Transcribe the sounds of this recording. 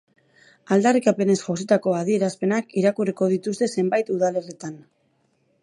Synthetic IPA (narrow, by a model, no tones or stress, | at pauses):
ald̪arikape̞ne̞sʝosit̪ako̞aðie̞ɾaspe̞nakiɾakuriko̞ð̞it̪ust̪e̞se̞mbajt̪uðale̞rit̪an